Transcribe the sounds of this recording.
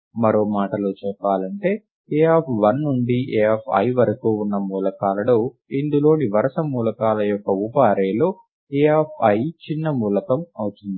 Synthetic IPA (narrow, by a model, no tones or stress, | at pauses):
mɐɾo̞ːmaːʈɐloːt͡ʃɛpːaːlɐɳʈe̞ː | eːepʰʋɐnːuɳɖiʔeːɐpʰɐ̰jʋɐɾɐkuːunːɐmuːlɐkaːlɐloː | ind̪ulo̞ːniʋɐɾɐsɐmuːlɐkaːlɐjɔkːɐupaːɾeːloː | eːepʰɐjt͡ʃinːɐmuːlɐkɐmɐwut̪und̪i